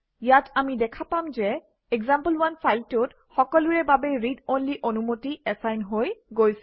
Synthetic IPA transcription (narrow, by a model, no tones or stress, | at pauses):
jatamidɛkʰapamzɛ | ɛɡzampəlwanfʰajltʊt | xɔkɔlʊɹɛbabɛɹidonliʔonumotiɛsajnɦojɡojsɛ